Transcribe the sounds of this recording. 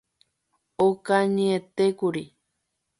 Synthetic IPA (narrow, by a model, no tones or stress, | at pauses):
okaɲẽet̪ekuɾi